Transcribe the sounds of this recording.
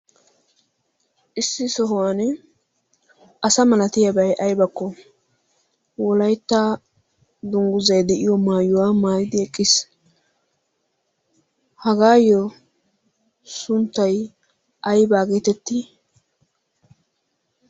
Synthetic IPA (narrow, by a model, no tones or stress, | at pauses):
ʔɪsːɪsɔɦʊwaːn | ʔɐsɐmɐlɐt̪ɪjɐbɐjʔɐjbɐkːɔ | wɔlɐjt̪ːa | d̪ʊŋɡʊzɐjd̪ɛʔɪjɔmaːjʊwaːmaːjɪd̪ɪɛkʼːɪs | hɐɡaːjɔ | sʊnt̪ːɐj | ʔɐjbaːɡeːt̪ɛt̪ːi